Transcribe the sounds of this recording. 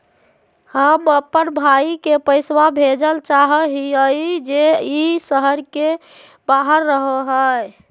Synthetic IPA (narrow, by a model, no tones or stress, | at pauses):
həməpənbʱaikepəɪswabʱed͡ʒəlt͡ʃaɦəɦiəjd͡ʒeisəɦəɾke | baɦəɾːəɦəɦəj